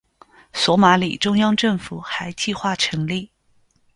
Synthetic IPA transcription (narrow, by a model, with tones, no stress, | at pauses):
swɔ˧˥ma˧˥lḭ˨˩ʈ͡ʂʊ˥ŋjɑ˥ŋʈ͡ʂɤ˥˩ŋfu˨˩xa˧˥ɪt͡ɕi˥˧xwa˥˩ʈ͡ʂʰɤ˧˥ŋli˥˩